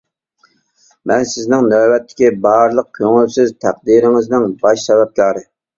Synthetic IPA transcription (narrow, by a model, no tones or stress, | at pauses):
mɛnsɪznɪŋnøwɛt̪ʰːɪ̥kʲibɑɾlˠəq̚kʲʰøŋylsɪzt̪ʰæq̚d̪iɾɪŋɪznɪŋbɑʃsɛbɛp̚kʲʰɑːɾɨ